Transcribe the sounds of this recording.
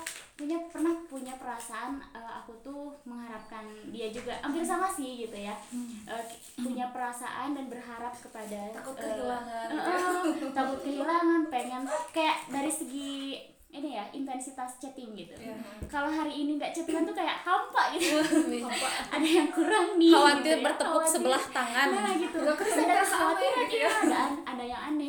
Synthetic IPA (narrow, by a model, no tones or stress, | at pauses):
puɲapərnahpuɲapəɾasaʔanəa̰kut̪ʊməŋhaɾap̚kandiad͡ʒuɡaʔampɪrs̬amasihɡit̪ujaʔə | puɲapəɾasa̰ʔandanbərɦaɾap̚kəpadaakʊt̪kəiaŋanəʔət̪akʊt̪̚kəɦilaŋanpeŋɛnkajaʔdaɾisəɡi | inijaint̪ɛnsit̪ast͡ʃət̪ɪŋɡit̪ṵkaloɦaɾiːniŋɡaʔt͡ʃət̪ikant̪ukajaʔhampaʔɡit̪uaaʔadajaŋkuɾaŋniawat̪ibərt̪əbʊasəbəlaht̪aŋanaɡit̪usadaasawat̪ilaiaadanadajaŋanɛ